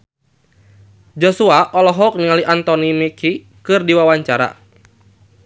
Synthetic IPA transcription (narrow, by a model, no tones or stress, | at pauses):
d͡ʒɔsuaʔɔlɔɦɔk̚niŋaliʔant̪ɔnimikʰi | kɨrdiwawaɲt͡ʃaɾa̰